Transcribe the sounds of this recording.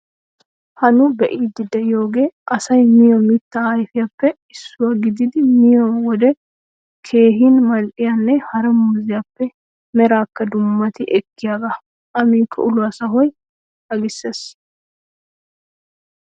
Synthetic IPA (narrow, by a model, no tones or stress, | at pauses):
hɐnʊbɛʔiːd̪ɪd̪ɛjo̞ːɡe̞ːʔɐsɐjmɪjɔmɪt̪ːɐɐjfɪjapːɛ | ɪsːʊwɐɡɪd̪ɪd̪ɪmɪjɔwɔd̪ɛ | kʰe̞ːɦinmɐlʔɪjanːɛhɐɾɐmuːzɪjapːɛ | mɛɾaːkːɐd̪ʊmːɐt̪ɪʔɛkːɪjaɡɐ | ʔɐmiːkʰːɐ̰ʊlʊɐsɐɦɔj | ɐɡɪsːeːs